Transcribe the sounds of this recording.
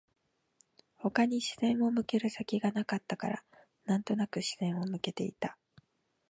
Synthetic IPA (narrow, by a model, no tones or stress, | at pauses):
ho̞kaɲ̟iɕi̥z̥ẽ̞ɰ̃o̞mɯ̟ke̞ɾɯ̟sakʲiɡanakat̪ːakaɾa̰ | nãnt̪o̞nakɯ̟ɕi̥zẽ̞ɰ̃o̞mɯ̟ke̞t̪e̞it̪a